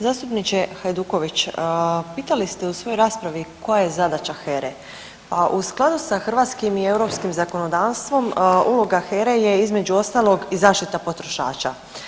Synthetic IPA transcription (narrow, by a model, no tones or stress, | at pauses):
zaːst̪upnit͡ɕexajd̪uːko̞ʋit͡ɕpiːt̪alist̪eusʋo̞joɾaːspɾaʋiko̞jaje̞zad̪at͡ʃaxeɾe | paʔusklˠad̪usaxr̩ʋat̪skimie̞wɾo̞pskimzako̞no̞d̪aːʋst̪ʋo̞muloɡaxeɾeje̞izme̞d͡ʒuo̞st̪aːlˠo̞ɡizaːʃt̪it̪apo̞t̪ɾo̞ʃa̰ːt͡ʃa